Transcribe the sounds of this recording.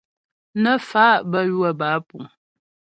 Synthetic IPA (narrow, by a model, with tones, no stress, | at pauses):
nə˦fa˦ʔbə˦jwə˦˨baː˨˦pu˨